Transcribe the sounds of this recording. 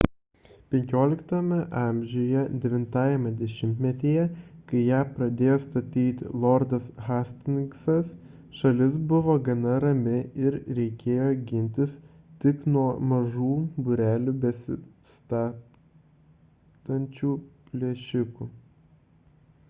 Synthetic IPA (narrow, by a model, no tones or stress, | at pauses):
pʲɛŋʲkʲoːlʲɪkt̪omʲɛʔɑˑmʲʒʲoːjɛd̪ʲɛʋʲɪnt̪ɑːjɛmʲɐd̪ʲɛʃʲɪmʲt̪ʲmʲɛt̪ʲeːjɛkɐɪjæːpɾɐd̪ʲeːjoːst̪ɐt̪ʲiːt̪ʲlˠɔɾd̪ɐsɣɑːsʲt̪ʲɪnʲksɐs | ʃɐlʲɪsbʊʋoːɡɐnɐɾɐmʲɪɪɾɾʲɛɪkʲeːjoːɡʲɪnʲt̪ʲɪs | t̪ʲɪknuɔmɐʒuːbʊɾʲæːlʲuːbʲɛsʲɪ | st̪ɑː | t̪ɐnʲt͡ʃʲuːpʲlʲeʃʲɪkuː